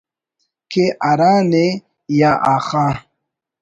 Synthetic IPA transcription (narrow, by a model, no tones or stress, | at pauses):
keʔaɾaːne | jaʔaxa